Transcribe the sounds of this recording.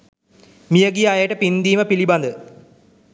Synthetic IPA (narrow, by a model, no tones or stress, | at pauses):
mijəɡiajəʈəpind̪iːməpiliband̪ə